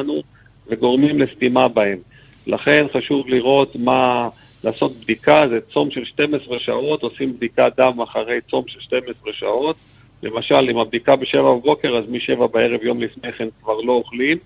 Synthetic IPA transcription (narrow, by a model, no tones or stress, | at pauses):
nu | ve̞ɡo̞ʁmimle̞st̪imabahe̞m | laχe̞nχaʃuvliʁo̞t̪ma | laːso̞t̪̚bd̪ikazet͡so̞mʃelʃte̞mesʁeʃa̰o̞t̪osimbd̪ikad̪amaχaʁe̞jt͡so̞mʃelʃte̞mesʁeʃa̰o̞t̪ | lemaʃalimabd̪ikabeʃe̞vababo̞ke̞ʁazmiʃe̞vabae̞ʁe̞vjo̞mlifneχenkvaʁlo̞oχlim